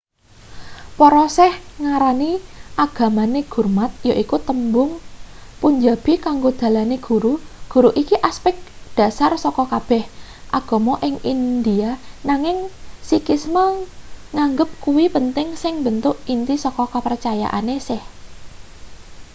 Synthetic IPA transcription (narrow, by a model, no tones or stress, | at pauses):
pɔɾɔsɛhŋaɾaniʔaɡ̥ä̤maneɡ̥ṳrmat̪̚joʔikut̪əmbʊŋpuɲd͡ʒab̥ikaŋɡod̪̥ä̤laneɡ̥ṳɾuɡ̥ṳɾuʔikiʔaspɛk̚d̪̥a̤sarsɔkɔkab̥ɛhʔaɡ̥o̤mɔʔɪŋind̪ianaŋɪŋsikɪsmaŋaŋɡəp̚kuwipənt̪ɪŋsɪŋbənt̪ʊʔint̪isɔkɔkəpərt͡ʃaja̰ʔa̰nesɪh